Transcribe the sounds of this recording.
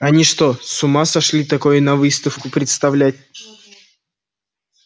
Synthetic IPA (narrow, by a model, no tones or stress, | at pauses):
ɐnʲiʂt̪osʊmasɐʂlʲit̪ɐko̞jʊnɐvɨst̪əfkʊpɾʲɪt̪st̪ɐvlʲæt̚ʲ